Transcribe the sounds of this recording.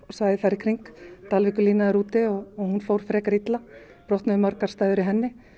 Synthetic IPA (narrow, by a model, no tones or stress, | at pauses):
ɔsvaːjðɪθajɾɪkʰɾiŋkt̪alvɪkʏliːnaðɛɾuːt̪ɪɔɣɔɣhunfowɾ̥fɾɛːkaɾit̪la | pɾɔht̪naðɪmœɾkaɾ̥st̪aːjðʏɾɪɦɛnːɪ